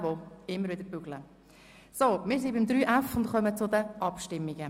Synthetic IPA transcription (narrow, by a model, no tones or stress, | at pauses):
ʋoɪmːəɾvɪd̪əɾb̥yɡlə | somɪːɾs̬ibɪmd̪ɾyːʔæfʊntχœmət͡sʊd̪əʔɑpʃtɪmːiɡə